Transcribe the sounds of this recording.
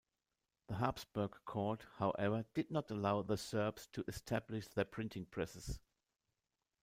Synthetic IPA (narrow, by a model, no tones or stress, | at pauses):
ðəɦapsb̥ɜ˞ɡkʰɔɹthaʊʔɛvə˞d̥ɨd̚ⁿnətəlaʊðəsɜ˞bstʰuʔɨstʰæblɪʃðə˞pʰɹ̥ɪ̃ntʰɪ̃ŋpʰɹ̥ɛsɨs